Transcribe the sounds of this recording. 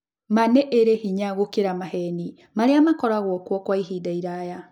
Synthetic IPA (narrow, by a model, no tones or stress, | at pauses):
manɛʔeɾehiɲaɣokeɾamahɛni | maɾeamakɔɾaɣwɔkwɔkwaiɦidaiɾaja